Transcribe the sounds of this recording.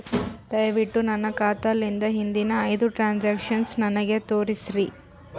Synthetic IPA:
d̪ɐjʋiʈːunɐnːɐkaːt̪ɐlːind̪ɐɦind̪inɐːjd̪uʈɾaːnd͡ʒaːkʂɐnsnɐnɐɡe̞t̪oːɾisɾi

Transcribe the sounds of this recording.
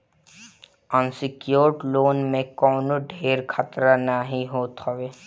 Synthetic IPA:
ənsɪkjoːɾʈloːnmẽkɔːnoɖʱeːɾkʰat̪ɾanaɦĩɦoːt̪ɦɔʋeː

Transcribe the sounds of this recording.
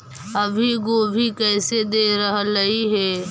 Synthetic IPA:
ɐbʱiɡoːbʱikɛːsed̪eːɾəɦləiɦɛː

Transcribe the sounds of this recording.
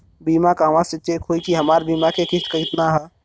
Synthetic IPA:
biːmakaːʋãset͡ʃeːkʰɦoːikiɦɐmaːɾbiːmakʰekɪʃt̪kɐɪt̪naɦɛ

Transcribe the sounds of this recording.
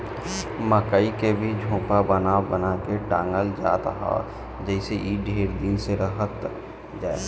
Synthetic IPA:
məkəikebʱid͡ʒʱũːpabənabənakeʈãːŋɡəld͡ʒa̰ːt̪aɦa̰ | d͡ʒɛːɪseʔiːɖʱeːɾd̪ɪnseɾəɦət̪ | d͡ʒaːe

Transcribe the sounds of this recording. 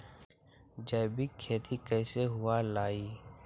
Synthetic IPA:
d͡ʒəːbikʰeːt̪ʰikɛːseɦʊalaːiː

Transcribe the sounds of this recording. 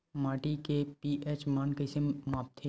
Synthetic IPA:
maːʈikepiʔeːt͡ʃmaːnkəsemaːp̚t̪ʰe

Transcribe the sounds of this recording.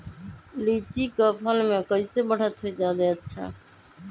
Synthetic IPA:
lit͡ʃikəpʰəlmẽkəɪsebəɽ̤ət̪ɦoid͡ʒad̪ɛətːʃʰa̰

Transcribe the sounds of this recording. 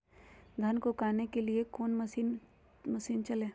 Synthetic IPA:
d̪ʱɐnkokaːnekeliekoːnmsiːn | mɐsiːnt͡ʃɐlẽː

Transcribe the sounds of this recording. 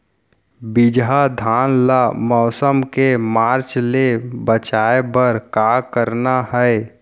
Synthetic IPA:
bɪd͡ʒɦad̪ʱaːnlamɔːsəmkemaːɾt͡ʃlebət͡ʃaːebəɾkaːkəɾnaɦɛe

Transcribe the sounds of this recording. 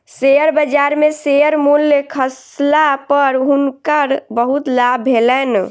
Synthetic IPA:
seəɾbəd͡ʒaɾmesejəɾmulːəkʰəs | lapəɾɦunkəɾbəɦut̪labʱelɛn

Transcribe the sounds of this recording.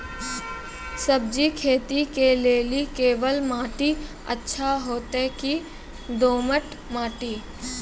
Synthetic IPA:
səb̚d͡ʒikʰeːt̪ikeleːlikeːʋəlmaːʈi | ə̰tːʃʰaɦoːt̪eki | d̪oːməʈ | maːʈiː

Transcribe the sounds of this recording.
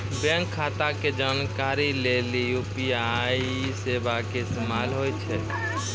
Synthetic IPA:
bɛ̃ŋkʰːat̪aked͡ʒankaɾilelijupiai | sebakest̪malɦojt͡ʃʰɛ

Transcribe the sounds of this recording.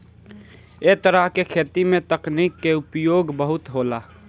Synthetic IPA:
et̪əɾəɦkekʰeːt̪imẽt̪ɐkniːkːeʊpjoːɡbəɦʊt̪ɦoːlaː

